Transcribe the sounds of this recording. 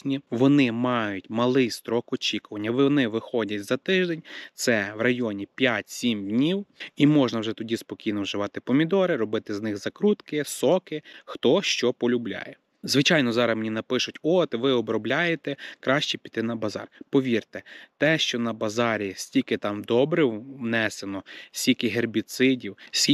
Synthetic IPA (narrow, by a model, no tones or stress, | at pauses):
nʲiʋɔnɪmɑjʊtʲmɐlˠɪjst̪ɾɔkɔt͡ʃʲikʊʋɐnʲːɐʋɪɔnɪʋɪxɔdʲɐtʲzɐt̪ɪʒd̪enʲt̪sɛʋrɐjɔnʲipʲjatʲsʲimdʲnʲiwimɔʒnɐwʒɛt̪ɔdʲispɔkʲijnɔwʒɪʋɑt̪ɪpɔmʲid̪ɔɾɪɾɔbɪt̪ɪznɪxzɐkɾut̪kɪsɔkɪxt̪ɔʃt͡ʃɔpɔlʲublʲa̰jɛ | zʋɪt͡ʃɑjnɔzɑɾɐmenʲinɐpɪʃʊtʲɔt̪ʋɪɔbɾɔblʲajet̪ɛkɾɑʃt͡ʃipʲi̥t̪ɪnɐbɐzɑ̰rpɔʋʲirt̪ɛt̪ɛʃt͡ʃɔnɐbɐzɑɾʲisʲtʲikɪt̪ɑmd̪ɔbɾɛwnɛsenɔsʲtʲikɪɦerbʲit̪sɪdʲiwsʲ